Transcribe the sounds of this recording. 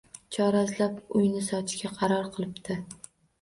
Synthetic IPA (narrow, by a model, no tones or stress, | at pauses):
t͡ʃʰɒɾazlapʊjnɪsɒt̪ʰɪʃkʲaqʰɑɾɒɾqʰɨlˠɪpt̪ʰɪ